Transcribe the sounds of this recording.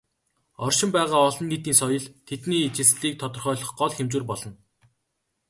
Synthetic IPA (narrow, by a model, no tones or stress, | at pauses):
ɔrʃɪ̆mpæːʁaːɔɮɞ̆nːiːt̪iːnsɔjɞ̆ɮt̪ʰet̪niːt͡ɕʰɪ̆sɮiːk̚t̪ʰɔt̪ɞ̆rχœːɮɞ̆χɢɔɮxemt͡ɕuːrpɔɮɞ̆n